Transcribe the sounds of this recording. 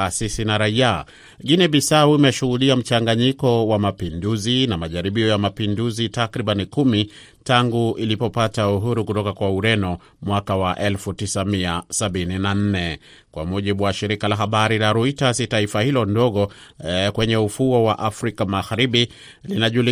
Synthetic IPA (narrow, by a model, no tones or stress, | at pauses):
asisinaɾaia | ɡinɛɓisauimɛʃuhuɗiam̩t͡ʃaŋɡaɲikɔwamapinduzinamaʄaɾiɓiɔjamapinduzitakɾiɓanikumi | taŋɡuilipɔpatauɦuɾukutɔkakwauɾɛnɔ | mwakawaʔɛlfutisamiasaɓininan̩nɛ | kwa̰muʄiɓuwaʃiɾikalaɦaɓaɾilaɾuitasitaifahilɔndɔɠɔkwɛɲɛufuɔwaʔafɾikamaɣaɾiɓi | linaʄuli